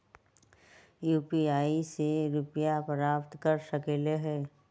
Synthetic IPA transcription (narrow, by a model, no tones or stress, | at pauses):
juːpiaːiseɾʊpjapɾaːpt̪kəɾsəkeːleɦɛː